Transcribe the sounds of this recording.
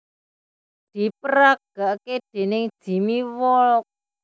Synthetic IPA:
d̪̥i̤pəɾak̚ɡ̥aʔked̪̥e̤nɪŋd̥ʒ̥i̤miwɔlɔk̚

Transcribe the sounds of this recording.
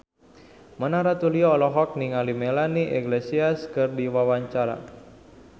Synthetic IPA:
mənaɾat̪uliɔːlɔɦɔk̚niŋalimelaniʔɛɡlesiaskɨrdiwawaɲt͡ʃaɾa̰

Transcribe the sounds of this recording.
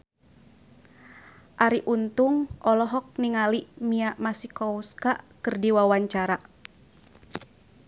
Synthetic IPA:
ʔaɾiʔunt̪uŋɔlɔɦɔk̚niŋalimiaʔmasikɔuskaʔkərdiwawaɲt͡ʃaɾa

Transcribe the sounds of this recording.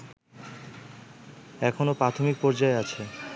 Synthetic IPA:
ɛkʰonopɾat̪ʰomik̚pɔɾd͡ʑaeat͡ɕʰe

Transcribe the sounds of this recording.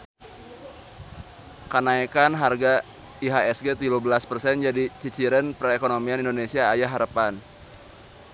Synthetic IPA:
kənaikanɦarɡa | iɦaɛsɡet̪iluhbəlaspərsɛnd͡ʒadit͡ʃit͡ʃiɾənpɾekonomianindonesiaːjaɦaɾəpan

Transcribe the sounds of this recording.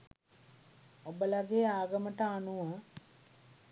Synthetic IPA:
obəlaɡeaːɡəməʈəanuʋa

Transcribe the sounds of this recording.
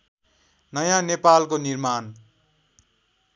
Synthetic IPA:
nʌjãnepalkonirman

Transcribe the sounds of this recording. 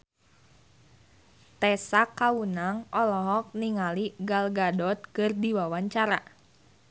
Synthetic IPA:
t̪ɛsakːaunaŋɔlɔɦɔk̚niŋaliɡalɡadɔt̪̚kɨrdiwawaɲt͡ʃaɾa

